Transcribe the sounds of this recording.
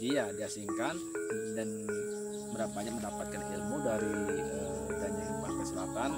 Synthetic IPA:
diadiasiŋkandan | məɾabaɲak̚məndapat̪̚kanilmudaɾiə | kaɲailmahkəsəlat̪an

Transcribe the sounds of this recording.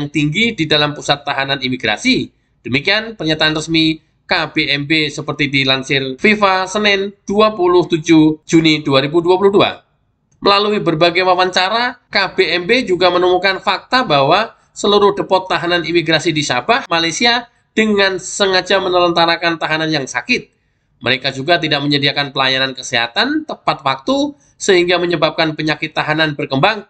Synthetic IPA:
ŋt̪iŋɡididalampusat̪ːaɦananimiɡɾa̰si | d̥əmikianpərɲat̪aanrəsmi | kab̥eɛmbesəpərt̪idilansɪrfifasənɪnd̥uapulʊht̪ud͡ʒud͡ʒuniduaɾibuduapuluhdua̰ | məlaluibərbaɡajwawant͡ʃaɾakabeɛmbed͡ʒuɡamənumukanfak̚t̪abawa | səluɾʊhdəpɔt̪ːaɦananimiɡɾasidisa̰bahmalajsia | d̥əŋansəŋad͡ʒamənələnt̪aɾakant̪aɦananjaŋsakɪt̪̚ | mə̰ɾekad͡ʒuɡat̪̬idaʔ̚məɲədiakanpəlajanankəseɦa̰t̪ant̪əmpat̪̚wak̚t̪u | səɦiŋɡaməɲəbap̚kanpəɲakɪt̪ːaɦananbərkəmbaŋ

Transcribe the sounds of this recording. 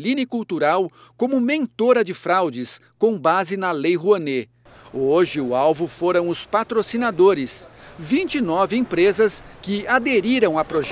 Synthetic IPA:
linɪkuwt̪uɾawkõmʊmẽnt̪oɾɐd͡ʒɪfɾawd͡ʒɪskõbazɪnɐlejɦuɐne | oʒɪʊawvʊfoɾɐ̃w̃ʊspat̪ɾosinad̪oɾɪsvĩnt͡ʃinɔvɪẽpɾezɐskɪad̪eɾiɾɐ̃w̃apɾoʒ

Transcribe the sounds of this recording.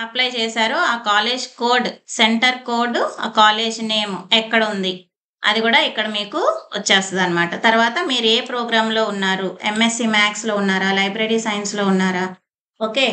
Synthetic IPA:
ɐplɐjt͡ʃɛːsaːɾuaːkaːle̞ːd͡ʒkoːɾɖseɳʈɐɾko̞ːɾɖːkaːle̞ːd͡ʒneːmuɛkːɐɽɐund̪i | ɐ̰d̪iɡuːɽaːikːɐɽɐmiːkuʋɐt͡ʃːaːst̪ɐd̪ɐnːɐmaːʈɐt̪ɐɾʋaːt̪ɐmiːɾueːpɾoːɡɾaːmlo̞ːunːaːɾuemesimaːkslo̞ːunːaːɾaːlɐjbɾeɽisɐjnslo̞ːunːaːɾaː | oːke̞ː

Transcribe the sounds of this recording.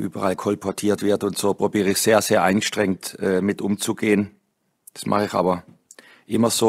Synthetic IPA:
ʔyːbɐʁalkʰɔlpʰɔɐtʰiːɐtv̥ɪɐtʊntsoːpʁ̥obiːʁəɪçseːɐz̥eːɐʔa̰ɪnɡəʃtʁ̥ɛŋtɛːmɪtʔʊmt͡suɡeːən | d̥ḁsmʔa̰χəɪçʔa̰ːbɐ | ʔɪmɐzoː

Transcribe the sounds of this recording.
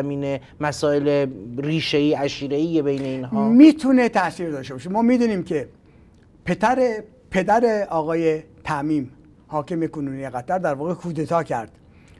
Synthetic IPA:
miːne | mæsɒːeleɾiːʃeiːæʃiːɾeiːjebejneiːnhɒːmiːt̪ʰunet̪ʰæsiːɾd̪ɒːʃt̪eɒɔːʃemɒːmiːd̪uːniːmkʰe | pʰe̞t̪ʰæɾe | pʰe̞d̪æɾeɒːɣɒːjet̪ʰæmiːm | hɒːkʰemekonuːnijeɣæt̪æɾd̪æɾvɒːɣekʰuːd̪et̪ʰɒːkʰæ̰ɾd̪̥

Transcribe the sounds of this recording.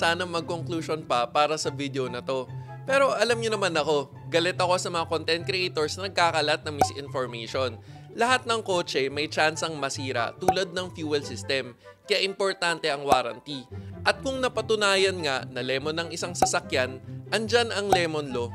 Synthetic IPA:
saːnɐmɐɡ̚koŋkluʃo̞npɐpaːɾɐsɐvid̪eonɐt̪o̞ | pɛːɾo̞ʔɐlamɲonɐmanɐko̞ | ɡɐlɛt̪ɐko̞sɐmɐŋakont̪ɛnt̪̚kɾɛʔɛjt̪oɹsnɐnɐɡ̚kaːkɐlat̪̚nɐŋmɪsʔɪnfoɹmeʃo̞n | lɐhat̪̚nɐŋko̞ːt͡ʃɛmɐjt͡ʃansɐŋmɐsiːɾɐ̰t̪uːlɐd̪̚nɐŋfjuːɛlsɪst̪ɛm | kɐjaʔɪmpo̞ɹt̪ant̪ɛʔɐŋwaːɾɐ̰nt̪iʔɐt̪̚kʊŋnɐpɐt̪ʊnaːjɐnŋaʔnɐlɛːmonɐŋʔɪsaŋsɐsɐkjanʔɐnd͡ʒanɐŋlɛːmonlo̞

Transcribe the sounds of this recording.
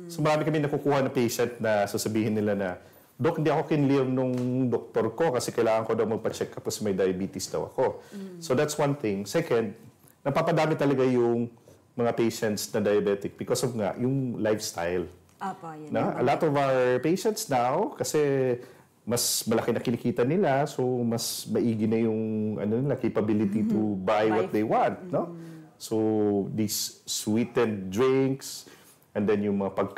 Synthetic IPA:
somɐɾaːmɪkɐmɪnɐkukuːhɐnɐpejʃɛnt̪̚nɐsɐsɐbiːhɪnːɪlanɐ | d̪oʔkhɪnd̪iɐko̞kɪnlɪvnʊŋd̪ok̚t̪oɾko̞kɐsɛkɐjlaːŋɐŋko̞d̪ɐwmɐɡ̚pɐt͡ʃɛkːɐp̚kɐsɛmɐjd̪ɐjɐbiːt̪ɪsd̪ɐ̰wɐ̰ko̞sod̪at̪swɐ̃nθɪ̃ŋsɛkɐnd̪̚ | nɐɡ̚papɐd̪aːmɪt̪ːɐlɐɡajʊŋ | mɐŋapejʃɛnt̪snɐd̪ɐjɐbɛt̪ɪk̚b̥ɪkosovŋa̰ʔjʊŋlajfst̪ajl | noʔɐlat̪ɔvawəɹpejʃɛ̃nt̪snawkɐsɛ | mɐsmɐlɐkɪnɐkɪnɐkiːt̪ɐnɪlasomɐsmɐʔiːɡɪnɐjʊŋɐ̰nonɪlɐkejpɐbilɪt̪it̪ʊbajwɔt̪̚d̪ejwãnt̪̚nosod̪isːwit̪ɛnt̪̚d̪ɹɪŋks | ʔɛnd̪ɛnjʊŋmɐŋapɐɡ̚

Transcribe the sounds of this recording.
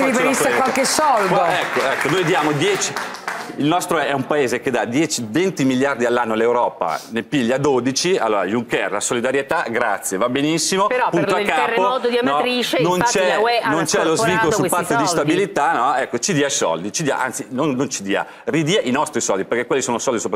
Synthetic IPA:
iɾifeɾisewalkesɔld̪oɛkːoɛkːonojd̪ijaːmod̪jɛt͡ʃi̥ | ilnɔst̪ɾoɛɛumpaeːzeked̪ad̪jɛt͡ʃivent̪imiljard̪ialːanːolːewɾɔːpa̰nepiʎːad̪od̪it͡ʃia̰lːoːɾa̰juŋkɛ̰rlasolid̪aɾjet̪aɡɾa̰t̪sːjevabenisːimopɾɔpunoakkːaːpomɔd̪od̪inɔɾit͡ʃenont͡ʃɛnont͡ʃɛlozviŋkolosupːat̪ːod̪ist̪abilit̪anːɔɛkːot͡ʃid̪iːajsɔ̰ld̪it͡ʃid̪ia̰ʔa̰nt̪sinonːont͡ʃid̪iːa̰ | rid̪iːaʔinɔst̪ɾisɔld̪iperk̟ekwelːisoːnosɔld̪isopa

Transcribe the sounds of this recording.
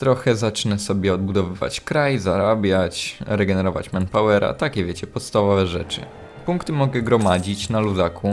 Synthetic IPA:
t̪ɾɔxɛzat͡ʂnɛsɔbʲjɛɔd̪̚bud̪ɔvɘva̰t͡ɕkɾajzaɾabʲjat͡ɕɾɛɡɛnɛɾɔva̰t͡ɕmanpawɛɾa̰t̪akʲɛvʲjet͡ɕɛpɔt̪st̪avɔvɛʐɛt͡ʂɘ̰ | puŋkt̪ɘmɔɡɛɡɾɔmad͡ʑit͡ɕnaluzakʰu

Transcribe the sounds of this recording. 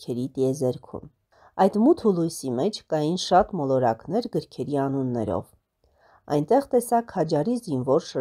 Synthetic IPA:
kʰɛɾit̪iɛzɛɾkʰṵm | ɑjd̪mut̪ʰhulujsimɛt͡ʃʰkɑjinʃɑt̪mɔlɔɾɑ̰knɛɾɡəɾkʰɛɾiɑnunːɛ̰ɾɔ̰v | ɑ̰jnt̪ɛʁt̪ɛsɑkhɑd͡ʒɑɾizinvɔɾʃə

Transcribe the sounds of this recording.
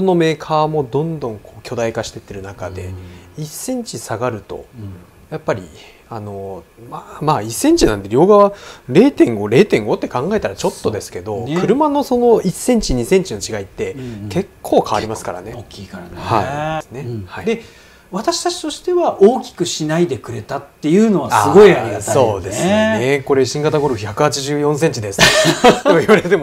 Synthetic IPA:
ono̞me̞ːkʰaːmo̞d̪õ̞nd̪õ̞ŋkʰo̞ːkʲo̞d̪aikaɕi̥t̪e̞t̪ːe̞ɾɯ̟nakad̪e̞̰isːẽ̞ɲ̟t͡ɕisaɡaɾɯ̟t̪o̞̰ | japːaɾʲḭ | ano̞ | mamaːisːẽ̞ɲ̟t͡ɕinãnd̪e̞ɾʲo̞ːɡaβaɾe̞ːt̪ẽ̞ŋɡoɾe̞ːt̪ẽ̞ŋɡo̞t̪ːe̞kãŋɡae̞t̪aɾat͡ɕo̞t̪ːo̞d̪e̞sɨ̥ke̞d̪o̞kɯ̟ɾɯ̟mano̞so̞no̞isːẽ̞ɲ̟t͡ɕiɲ̟isẽ̞ɲ̟t͡ɕino̞t͡ɕiɡait̪ːe̞ke̞kʰːo̞ːkʰaβaɾʲimasɨ̥ka̰ɾa̰ne̞okʲːikaɾhaisɨne̞haid̪e̞ | βat̪aɕi̥t̪at͡ɕi̥t̪o̞ɕi̥t̪e̞βaʔoːkʲi̥kɯ̟ɕinaid̪e̞kɯ̟ɾe̞t̪at̪ːe̞jɯ̟ːno̞βaaɨɡo̞iao̞ːd̪e̞sɨneko̞ɾe̞ɕĩŋɡat̪aɡo̞ɾoçakɯ̟hat͡ɕiʑɨːjõ̞s̬ẽ̞ɲ̟t͡ɕid̪e̞sɨ̥eoiβaɾet̪e̞mo

